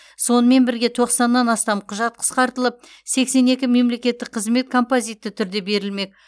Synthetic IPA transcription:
so̞nəme̞nbɪɾɡʲe̞t̪ʰo̞qsɑnːɑnɑst̪ɑmqʰʊʒɑt̪̚qʰə̥sqɑɾt̪əlˠəp̚ | se̞kse̞ne̞kʲɪme̞mle̞kʲe̞t̪ːɪk̚qʰəzme̞t̪̚kʰo̞mpozijt̪ːɪt̪ʰʏɾd̪e̞be̞ɾɪlme̞k̚

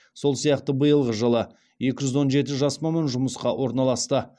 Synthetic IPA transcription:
so̞lˠsijɑqt̪əbəjəlˠʁəʒəlˠə | je̞kʲɪʒʏzwo̞nʒe̞t̪ɪʒɑsmɑmɑnʒʊməsqɑwʔo̞ɾnɑlˠɑst̪ə

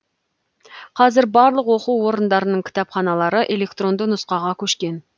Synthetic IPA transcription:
qʰɑzɪɾbɑɾlˠəqwo̞quwːo̞ɾənd̪ɑɾənəɴkʲʰɪ̥t̪ɑpχɑnɑlˠɑɾəʔelʲe̞k̚t̪ro̞nd̪ənʊsqɑʁɑkʲʰɵʃkʲe̞n

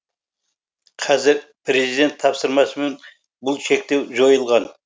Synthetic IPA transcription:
qʰɑzɪɾpʰɾe̞zid̪e̞nt̪ʰːɑpsəɾmɑsəmen | bʊlˠʃe̞k̚t̪e̞wʒo̞jəlˠʁɑn

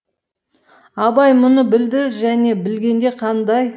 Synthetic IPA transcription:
ɑbɑjmʊnəbɪld̪ɪʒæne̞bɪlɡʲe̞nd̪e̞qʰɑnd̪ɑj

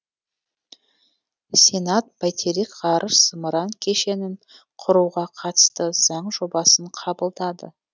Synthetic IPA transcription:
sʲe̞nat̪̚bajt̪ʰeɾikʁɑɾʔəʃsəməɾɑŋkʲʰe̞ʃe̞nɪɴ | qʰʊɾuwʁɑqʰɑt̪ə̥st̪əz̥ɑɴʒo̞bɑsəɴqʰɑbəlˠd̪ɑd̪ə̰

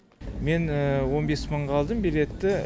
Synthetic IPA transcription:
me̞nəwo̞nbe̞sməɴqɑlˠd̪əmbele̞t̪ːɪ

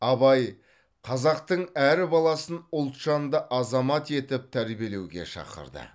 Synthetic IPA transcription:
ɑbɑj | qʰɑzɑq̚t̪əɴæɾɪbɑlˠɑsənʊlˠt̪ʃɑnd̪əʔɑzɑmɑt̪e̞t̪ɪp̚t̪ʰæɾbie̞le̞wɡʲeʃɑ̰qə̰ɾd̪ə̰

